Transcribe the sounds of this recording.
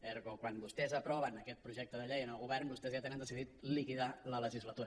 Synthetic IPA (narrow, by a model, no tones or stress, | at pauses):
ɛɾɣokwanbust̪ɛzəpɾɔβənəkɛt̪̚pɾuʒɛk̚t̪əðəʎejənəlˠɣuβɛrnbust̪ɛzjat̪enənd̪əsiðit̪̚likiðalələʒizlət̪uɾə